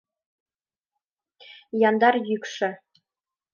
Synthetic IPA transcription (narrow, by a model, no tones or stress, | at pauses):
jɑnd̪ɑrjykʂɘ̆